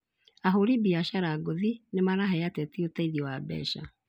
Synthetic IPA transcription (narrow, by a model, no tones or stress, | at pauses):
aɦoɾibiaʃaɾaɡoðinemaɾaɦɛatɛtiotaiðiɔwabɛ̰ʃa̰